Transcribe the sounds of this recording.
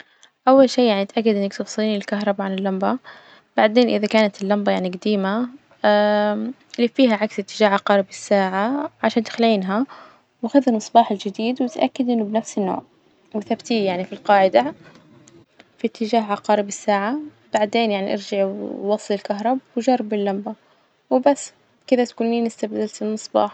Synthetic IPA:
ʔawːalʃiːjaʕniat̪ʔakːad̪ʔɪnːakt̪ʊwsˤɨliːnɪlkaɦɾˤɑbaʕanɪlːamba | b̥aʕd̪eːnʔɪ̰ðakaːnat̪ɪlːambajaʕniɡad̪iːma | lifiːɦaʕaksɪt̪ːɪd͡ʒaːhʕɑqɑːɾɪbɪsːaːʕaʕaʃaːnt̪ɪ̥xlʕiːnɦa | wʔaxʊðanːɨsˤbɑːħɪld͡ʒɪd̪iːd̪wɪt̪ʔa̰kːad̪ʔɪnːʊbɪnafsɪnːo̰ːʕ | wɪθabt̪iːjaʕnifilqɑːʕɪd̪a | fit̪ʰːɪd͡ʒaːɦʕɑqɑːɾɪbɪsːaːʕa | b̥aʕd̪eːnjaʕniʔɑɾd͡ʒaʕwɑsˤːlɪlkaɦɾˤɑbwɪʒɑrˤːbɪlːamba | wɪbasː | kɪd̪at̪kuːnːiːnɪst̪abd̪alt̪ɪlmɨsˤbɑ̰ːħ

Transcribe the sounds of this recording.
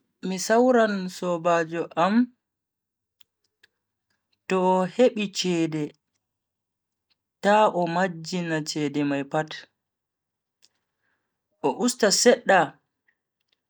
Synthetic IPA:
misawɾansɔbaːd͡ʒɔʔam | tɔheɓit͡ʃɛːdɛ | taʔɔmad͡ʒːinat͡ʃɛːdɛmajpat | ʔɔʔustasɛɗːa

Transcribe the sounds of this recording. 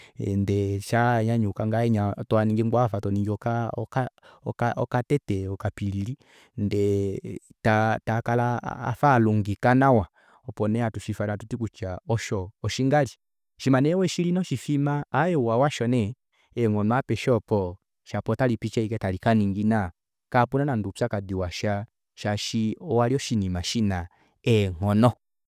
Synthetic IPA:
ndɛʃaɲaɲukaŋɡaɛɲatɔaniŋɡiŋɡafatɔniŋɡiɔkakaɔkaʔɔkatɛtɛɔkapiɾili | ndɛ | tatakalaa̰faluŋɡikanawa | ɔpɔnɛatuʃifanatutikut͡ʃaɔʃɔɔʃiŋɡali | ʃimanɛwɛʃilinɔʃifimaːjɛwawaʃɔnɛ | ɛŋɔnɔapɛʃɔpɔ | ʃapɔtalipit͡ʃɛikɛtalikaniŋɡina | kapunanandupsakadiwaʃa | ʃaʃiɔwaliɔʃinimaʃina | ɛŋɔnɔ

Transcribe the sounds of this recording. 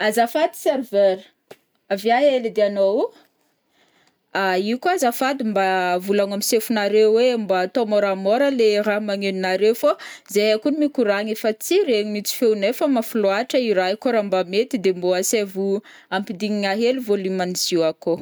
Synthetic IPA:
azafad̪i̥serveɾ | avjaɦelid̪eano | aiukazafad̪imbavulaŋamisefunaɾewwembat̪omoɾamoɾəleɾaɦmaŋeninaɾewfo | zejakunimikuɾaɲefət͡siɾeɲimit͡si̥fewnefəmafuloaʈ͡ʂəiɾakoɾambamet̪id̪emboasevu | ampid̪iŋiŋaɦeluvolimaniziako

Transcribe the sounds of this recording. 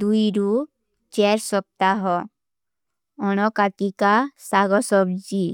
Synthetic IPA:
d̪uiɾu | t͡ʃɛɾsɔp̚t̪aɦɔ | ɔñɔkat̪ikasaɡɔsɔbd͡ʒi

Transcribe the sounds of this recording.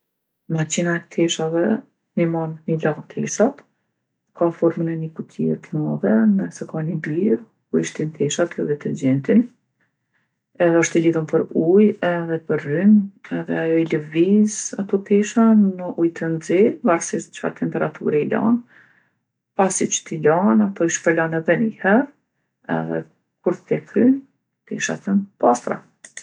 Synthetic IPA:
mat͡ʃinaɛt̪ʰɛʃavɛ | nimanːilant̪ʰɛʃat̪ | kafɔɾmənɛnikut̪ʰiɛ̰ɾt̪nɔvɛnəsɛkanibiɾ | kuiʃt̪int̪ʰɛʃat̪jɔd̪ɛt̪ɛɾd͡ʒɛnt̪in | ɛðɛɔʃt̪ɛliðumpəɾujɛðɛpəɾːynɛðɛajɔiləvizat̪ɔt̪iʃanːəʔujt̪ənzivaɾsiʃt̪t͡ʃfa̰t̪ɛmpɛɾat̪ʰṵɾailɔ̰n | pasit͡ʃt̪ilɔnat̪ɔiʃpəlɔnɛðɛnihɛɾ | ɛ̰ðɛ̰ | kuɾt̪ət̪ɛkɾyn | t̪ḭʃa̰t̪ənpast̪ɾa̰

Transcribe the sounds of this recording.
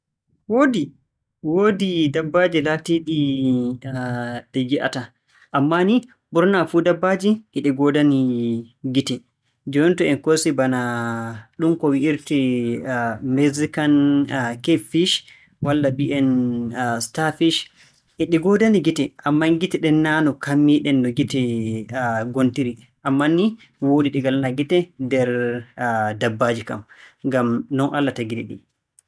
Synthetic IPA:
wodi | wodidabːad͡ʒilatiɗi | ɗɛɡiʔa̰ta | ʔamːani | buɾnafudabːad͡ʒiʔɛɗiɡɔdaniɡitɛ | d͡ʒɔɔntɔɛnkosibana | ɗumkɔwiʔiɾti | mɛzikankefiʃ | walːabiʔɛn | stafiʃ | ʔɛɗiɡɔdaniɡitɛʔamːanɡitɛɗɛnːanɔkamːiɗɛnːdɔɡitɛ | ɡontiɾi | ʔamːani | wodiɗiɡalanaɡitɛdɛɾ | dabːad͡ʒika̰mŋɡamnɔnʔalːataɡidiɗḭ

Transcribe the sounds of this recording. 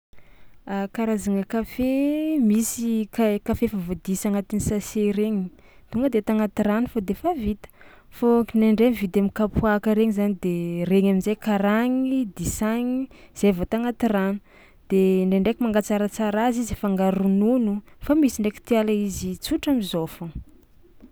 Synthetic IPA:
akaɾazaŋəkafemisikakafefavod̪isaŋat̪inisaseɾeŋi | t̪uŋɡəd̪et̪aŋat̪iranufod̪efavit̪ə̥ | fokinaɳɖ͡ʐemvid̪amikapuakəɾeŋizanid̪ereɲaminzajkaɾaŋid̪isaɲiz̥evat̪aŋat̪iranu̥ | d̪̥eɳɖ͡ʐeɳɖ͡ʐekimaŋɡat͡saɾət͡saɾazizefaŋɡaɾununufamisiɳɖ͡ʐeki̥t̪ialaizit͡suʈ͡ʂamizofu

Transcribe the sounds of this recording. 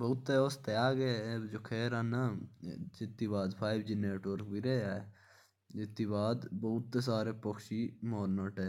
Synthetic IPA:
bəʊt̪ːeoːst̪əjaːɡed͡ʒoːkʰeːɾaːna | d͡ʒɪt̪ːibaːd̪pʰaːibd͡ʒɪneːʈʋəɾkbiɾeːaːe | d͡ʒɪt̪ːibaːd̪bot̪ːes̬aːɾepokʃimoːnəʈeː

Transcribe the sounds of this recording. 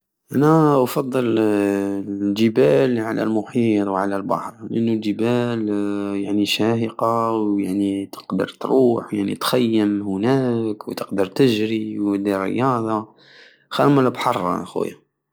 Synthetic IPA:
ʔænæfɑd̪ˤːəl | d͡ʒəbælʕalæ̰lmʊħit̪ˤwʕalælbɑ̰ħɾˤləʔənːuld͡ʒəbæljaʕniʃæhəqɑwjaʕnit̪ə̥qd̪ə̰ɾt̪ɾuːħwjaʕnḭt̪xæjːəmhʊnækwt̪əqd̪əɾˤt̪əʒɾiwəd̪irə̰jɑd̪ˤɑ | xæɾməlbħɑrˤxwæ̰jæ

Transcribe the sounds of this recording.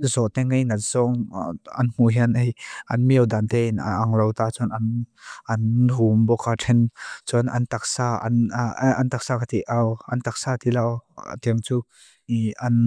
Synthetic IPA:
zɔʔt̪ɛŋejnɐtz̥ɔŋɐnm̥uɦinʔejʔɐnmiəwd̪ant̪ɛnʔaŋlowt̪at͡sʊnʔɐnʔɐnɦumbɔkaʈ͡ʂʰɛnt͡sʊnʔɐ̰nt̪ak̚saːɐ̰nɐnt̪ak̚saːkat̪iʔawʔɐ̰nt̪ak̚saːt̪ilaw̰t̪iəŋt͡suː | ʔɐn

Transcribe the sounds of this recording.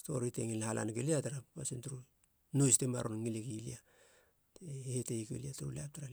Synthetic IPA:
sto̞̰ɾiteŋilhala̰nɡeliataɾappasintuɾu | nojstema̰ɾonŋilekilḭa | tehetejkḛliatuɾuliap̚taɾal

